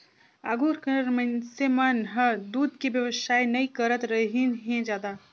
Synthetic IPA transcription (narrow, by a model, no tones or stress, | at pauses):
aːɡuːɾkɐnəɾmɐ̃nsemanɦəd̪uːd̪kibjɐʋəsaːinɐikɐɾət̪ɾɐɦinɦẽd͡ʒaːd̪a